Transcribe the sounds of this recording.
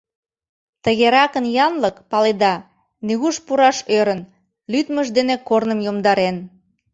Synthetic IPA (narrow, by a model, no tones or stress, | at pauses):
t̪əɣeɾɑkənjɑnləkpɑled̪ɑ | nyɣuʃpuɾɑʃøɾən | lyt̪məʒd̪enekornəmjomd̪ɑɾen